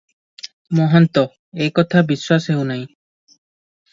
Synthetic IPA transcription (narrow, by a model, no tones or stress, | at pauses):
mɔɦɔnt̪ɔ | ejkɔt̪ʰabiswasɦewnaj̃